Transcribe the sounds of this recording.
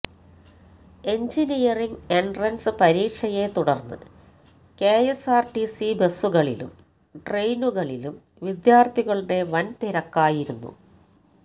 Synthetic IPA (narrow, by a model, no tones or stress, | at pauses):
e̞ɲd͡ʑinijɐriŋɡeɳɖrɐnsɨpɐɾiːʈʂɐje̞t̪uɽɐrnːɨ̰ | keːjesaːrʈisibe̞suɣɐɭḭlṵm | ʈrejnuɣɐɭilum | ʋid̪jaːrt̪ʰiɣɐɭineʋɐnt̪iɾɐkːaːjiɾunːṵ